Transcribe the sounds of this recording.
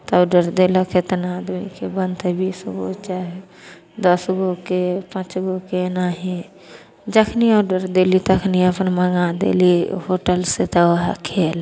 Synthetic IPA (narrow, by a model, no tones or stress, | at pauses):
t̪ɐɖəɾd̪eːlakʰet̪ənaːd̪mikebə̃nt̪ebiːsɡo̰t͡ʃaːɦe | d̪əsɡokepãt͡ʃɡokenaɦĩ | d͡ʒəkʰniaːɖəɾd̪elit̪əkʰniapənməŋɡad̪ḛːliɦoːʈəlset̪əɦa̰kʰeːl